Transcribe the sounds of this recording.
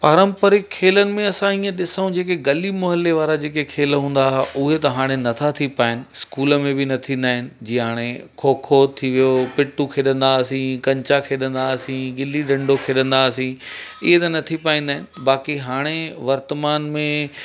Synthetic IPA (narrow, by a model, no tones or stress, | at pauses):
paːɾə̃mpəɾɪkʰːeːlənɪ̆mẽɐsãiːə̃ɗɪsəũd͡ʑeːk̬eɡɐlimʊɦəlːeʋaːɾad͡ʑeːkekʰeːlɦũːn̆d̪aːɦʊɦet̪ɐɦaːɽ̃enɐt̪ʰat̪ʰipaːɦɪnɪ̆skuːləmẽbɪnɐt̪ʰĩːnd̪aːɦɪnɪ̆d͡ʑiːɦaːɽ̃ekʰoːkʰot̪ʰiʋijopɪʈːukʰeːɗə̃nd̪aːsĩkɐ̃ɲt͡ɕakʰeːɗə̃nd̪aːsĩɡɪliɗɐ̃ɳɖokʰeːɗə̃nd̪aːɐsĩɪ̰ɦet̪ɐnɐt̪ʰipaːĩnd̪aːɦɪnɪ̆baːkiɦaːɽ̃eʋɐɾt̪əmaːnmẽ